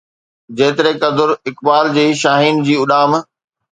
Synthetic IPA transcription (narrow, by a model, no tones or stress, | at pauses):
d͡ʑeːt̪ɪɾekɐd̪ʊɾɪkbaːld͡ʑeːʃaːɦiːnd͡ʑiːʊɗaːm